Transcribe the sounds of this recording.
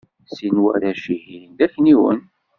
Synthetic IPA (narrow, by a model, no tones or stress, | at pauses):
sinwæ̰ɾæʃihind̪æçniwə̰n